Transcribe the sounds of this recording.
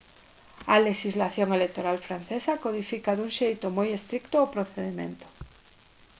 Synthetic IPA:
ɐleʃizlaθjoŋelek̚t̪oɾalfɾanθesakoð̞ifikaðuŋʃejt̪omojest̪ɾikt̪oopɾoθeðimḛ̃nt̪o̥

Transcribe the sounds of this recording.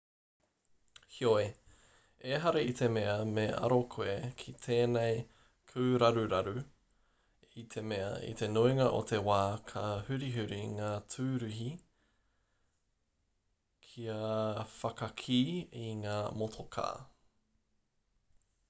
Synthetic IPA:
hioe | eɦɐɾeit̪ʰe̞meɐmeɐ̰ɾokʰoekʰit̪ʰeːnej | kʰʉːɾɐɾʉɾɐɾʉ | it̪ʰemeɐ̰ḭt̪e̞noiŋɐʔo̰t̪ʰe̞waːkʰɐhʉɾiɦʉɾiŋaːtʰʉːɾʉɦi | kʰiɐfɐkɐkʰiːiŋaːmot̪ʰokʰa̰ː

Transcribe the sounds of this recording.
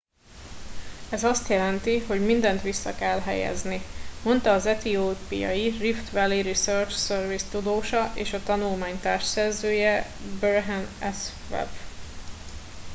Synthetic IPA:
ɛzɒst̪jɛlɛnt̪iɦo̞ɟmind̪ɛn̪t̪ʋisːɒkɛlɦɛ̰jɛ̰znimo̞nt̪ɒːzɛt̪ioːpḭjɒ̰jirift̪ʋɛliɾisørt͡ʃsørvist̪ud̪oːʃɒʔeːʃɒt̪ɒnulmaːɲt̪a̰ːrʃsɛrzøːjɛbørɦɛnɛs | vɛ̰b

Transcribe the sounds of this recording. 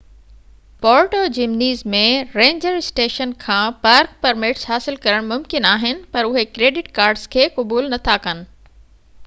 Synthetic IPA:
pɔːɾʈoːd͡ʑɪmniːzmẽɾẽːɲd͡ʑəɾɪsʈeːʃənkʰãːpɐɾkpɐɾmeːʈsɦaːsɪlkɐɾəɽ̃mʊmkɪnaːɦɪnɪ̆pɐɾʊɦekɾeːɖɪʈkaːɾɖz̥kʰeːkʊbuːlnɐt̪ʰakɐnɪ̆

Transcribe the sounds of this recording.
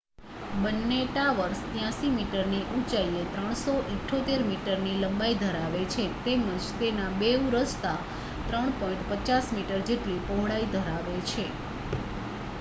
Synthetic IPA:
bənːeʈaʋəɾst̪jãsimiʈəɾniʔũt͡ʃaiet̪ɾəɳ̃soʔeʈʰːot̪eɾmiʈəɾniləmbaid̪ʱəɾaʋet͡ʃʰet̪eməd͡ʒt̪enabeũɾəst̪a | t̪ɾəɳ̃pɔĩɳʈpət͡ʃasmiʈəɾd͡ʒeʈlipoɦɽaid̪ʱəɾaʋet͡ʃʰe

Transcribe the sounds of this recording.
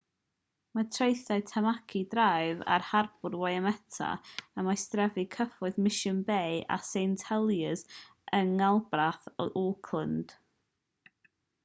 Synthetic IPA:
matʰrejθaɨtʰamakʰidrajva̰rharbʊrwajamɛtʰa̰əmajstrɛvikʰəfɔɨðmɪʃənbejʔa̰sejntʰɛlˠjəz | əŋalˠbraθʔɔkʰlˠənd̥

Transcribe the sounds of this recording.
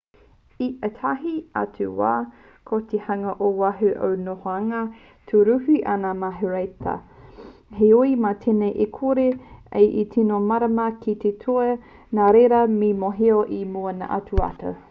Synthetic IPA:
iʔətʰaɦia̰tʰuwa̰ː | kʰot̪ehaŋɐʔowaɦuʔo̰wnohoaŋɐ | tʰuɾuhiʔanamaɦuɾejtʰɐ̰ | ɦeoimaːt̪ʰenejʔekʰoɾeḛjʔitʰinomaɾɐmɐkʰit̪etʰoe | naːɾeɾɐmimoɦeoʔimuɐna̰ʔa̰tʰuɐ̰tɐ̰

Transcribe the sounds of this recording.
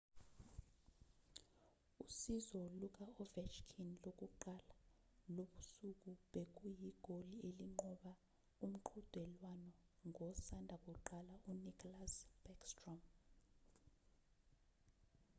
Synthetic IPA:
usizɔluk̬ʼaɔvɛt͡ʃkʰinlok̬ʼuǃala | loɓusuk̬ʼuɓek̬ʼujiɡ̥ʱolieliŋ͡ǃɔɓa | um̩ǃʰud̥ʱwɛlwanɔŋʱɔsandʱak̬ʼuǃalaunikʰʼɔlasb̥ɛkstrɔm

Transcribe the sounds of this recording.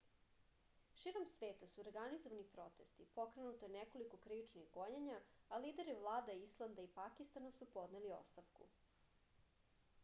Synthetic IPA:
ʃiɾomsʋeːt̪asuoɾɡanizoʋanipɾo̞t̪e̞st̪ipo̞kɾe̞nut̪ojeneko̞liko̞kɾiʋit͡ʃniɣɡo̞ɲeɲaalid̪eɾivlˠaːd̪aislˠand̪aipakist̪anasupo̞d̪nelio̰st̪aʋkṵ

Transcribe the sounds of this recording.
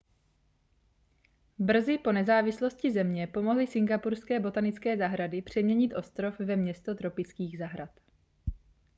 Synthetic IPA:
br̩zɪpo̞nɛzaːvɪslo̞scɪzɛmɲɛpo̞moɦlɪsɪŋɡapuɾskɛːbo̞t̪anɪt͡skɛːzaɦɾadɪpr̝̥ɛmɲɛɲɪt̪ʔo̞st̪ɾo̞fvɛmɲɛst̪o̞t̪ɾo̞pɪt͡skiːɣzaɦɾat̪

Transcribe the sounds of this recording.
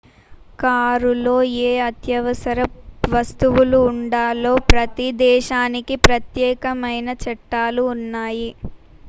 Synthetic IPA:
kaːɾulo̞ːeːɐt̪jɐʋɐsɐɾɐʋɐst̪uʋuluːɳɖaːlo̞ːpɾɐt̪id̪ɛːʃaːnikipɾɐt̪jɛːkɐmɐjnɐt͡ʃɛʈːaːluːnːaːji

